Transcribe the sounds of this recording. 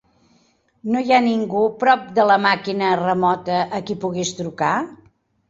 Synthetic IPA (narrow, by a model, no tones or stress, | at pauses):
nojaniŋɡupɾɔp̚d̪ələmakinərəmɔt̪əʔːkipuɣist̪ɾuka